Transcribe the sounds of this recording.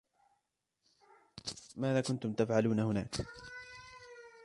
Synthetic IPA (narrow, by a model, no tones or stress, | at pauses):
maːðaːkʊnt̪ʊmt̪afʕaluːnahʊna̰ːk